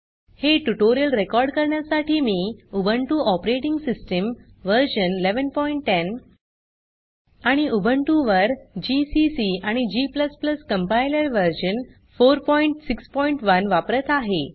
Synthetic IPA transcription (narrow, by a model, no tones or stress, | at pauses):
heʈuʈoɾijəlɾekɔɾɖkəɾɳjasaʈiːmiːubʱəɳʈuʔɔpɾeʈiŋɡsisʈəm | ʋəɾɕənleʋənpɔiɳʈːen | aɽ̃iʔubʱəɳʈuʋəɾd͡ʑisisiaɽ̃id͡ʑipləspləskəmpajləɾʋəɾɕən | foɾpɔiɳʈsikspɔiɳʈʋənʋapɾət̪aɦe